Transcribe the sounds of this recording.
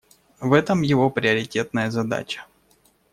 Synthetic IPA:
vɛt̪əmjɪvo̞pɾʲɪəɾʲɪtʲe̞t̪nəjəzɐd̪a̰t͡ɕə̥

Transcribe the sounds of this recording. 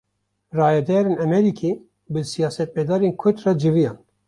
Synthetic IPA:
rɑːjɛd̪ɛɾeːnɛmɛɾikʰi | bɨsijɑːsɛt̪̚bɛd̪ɑːɾenkʰʊd̪rɑd͡ʒɨvijɑːn

